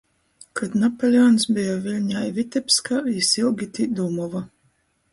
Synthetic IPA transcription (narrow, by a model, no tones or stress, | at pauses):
kʰad̪napɔlʲiɔːnsbijavilʲɲajvit̪ɛpskaisilˠɡʲit̪ʲid̪umɔva